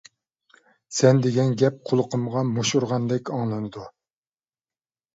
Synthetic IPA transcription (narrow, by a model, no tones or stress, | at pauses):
sɛnd̪eɡʲɛnɡʲɛp̚qʰolˠəqʰəmʁɑmoʃuɾʁɑnd̪ɛkʲɑŋlˠɨnɨd̪u